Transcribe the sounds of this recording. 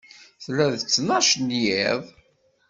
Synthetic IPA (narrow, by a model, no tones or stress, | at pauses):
θlæðt͡sːnɑʃnjɪðˤ